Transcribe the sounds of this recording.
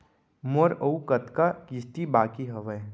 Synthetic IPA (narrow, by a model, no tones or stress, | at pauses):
moɾəukət̪kakist̪ibaːkiɦɐʋəe